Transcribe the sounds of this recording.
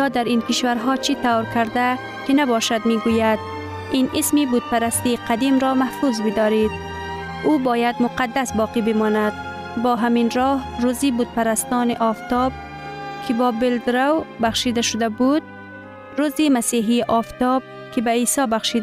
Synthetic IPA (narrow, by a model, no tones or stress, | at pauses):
ɔd̪aɾinkɪʃvaɾɦɒːt͡ʃit̪awɾkaɾd̪a | kinabɒʃad̪miɡujad̪ | inʔismibud̪̥̚paɾast̪iqʰad̪imɾɔmahfuzbɪd̪ɒɾid̪̚ | ubɒːjad̪mʊqad̪ːasbɒːqibɪmɔːnad̪ | bɔːɦaminɾɔhɾuzibud̪̚paɾast̪ɔːniʔɒft̪ɔb̚ | kʰɪbɔːbɪld̪ɾawbaxʃid̪aʃʊd̪abud̪̚ | ɾuzimasiɦiʔɒft̪ɒb̚ | kʰɪbaiːsɒbaxʃid̪